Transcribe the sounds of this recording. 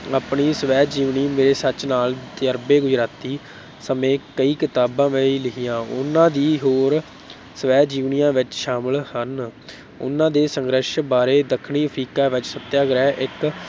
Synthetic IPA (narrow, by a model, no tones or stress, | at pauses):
aːpɳiːsəʋɛːd͡ʒiːʋniːmeːɾeːsət͡ʃnaːlt̪jəɾbeːɡʊd͡ʒɾaːt̪iː | səmẽːkəiːkɪt̪aːbãːʋeiːlɪɦijãːʊ̰nãːd̪iːɦoːɾ | səʋɛːd͡ʒiːʋnɪjãːʋɪt͡ʃʃaːməlhən | ʊ̰nãːd̪eːsəŋɡɾəʃbaːɾeːd̪əkʰːɳiːəpʰɾiːkaːʋɪt͡ʃsət̪jaːɡɾɛːʔɪk